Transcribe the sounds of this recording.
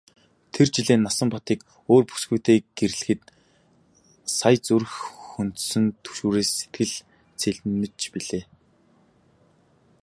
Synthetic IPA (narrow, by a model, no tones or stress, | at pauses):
t̪ʰert͡ɕiɮeːnːasə̆mpɔt̪iːk | oːrpu̥sɡujʰt̪ʰeːɡ̥eɾ̆ɮɘ̆xɘ̆t̪̚ | sajt͡surxɵnt̪sɘ̆nt̪ʰɵ̥ʃuːɾeːsːet̪̚ɡɘ̆ɮ | t͡sʰeɮnɘ̆t͡ɕpiɮeː